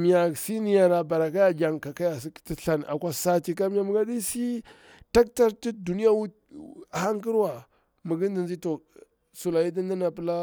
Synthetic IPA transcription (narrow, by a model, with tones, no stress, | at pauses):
mi˨ja˨si˦ni˦ja˨ɾa˨ba˨ɾa˨ka˦ja˨d͡ʒa˨ŋka˨ka˦ja˨si̥˦ti˦ɬa˨n˨ʔa̰˨kʷa˦sa˦ti˨ka˦mi˦ja˨mu˦ɡa˦di˦si˦ | ta˦k̚ta˦ɾti˦du˨ni˦ja˦wu˦˨ | ha˦ŋki˦ɾwa˨ | mə˨ɡi˦n˦di˨nd͡ʒi˦to˨ | su˨la˨ji˦di˦nda˦na˨pə˦la˦